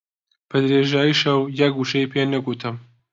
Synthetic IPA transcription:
b̥ɐd̪ɾeːʒaːjiʃɐwjɐɡɡuʃɐjpʰenɐɡut̪ʰɨm

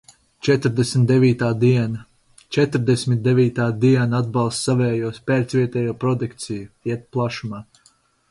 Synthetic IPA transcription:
t͡ʃɛt̪ɾd̪ɛsmʲt̪d̪eviːt̪aːd̪iɛna | t͡ʃɛt̪ɾd̪ɛsʲmit̪̚d̪eviːt̪aːd̪iɛnad̪̚bɑlˠst̪savɛːjuɔspʲɛːɾt̪svʲiɛt̪ɛːjuːpɾɔd̪ukt̪sijuiɛt̪̚plˠaʃumaː

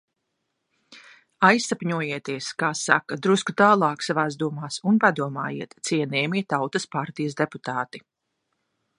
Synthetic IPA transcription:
ajsːapʲɲuɔjeɛt̪iɛskaːsa̰kɐd̪ɾuskut̪aːlˠɑːksavaːzd̪uɔmaːsunpad̪uɔma̰ːjḭɛt̪t̪siɛnɛːmiɛt̪awt̪ɐspaɾt̪ijəsd̪eput̪aːt̪i

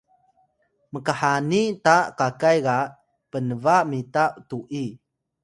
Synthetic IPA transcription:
məkaħanitakakajɣa | pənəvamitaʔtuʔi

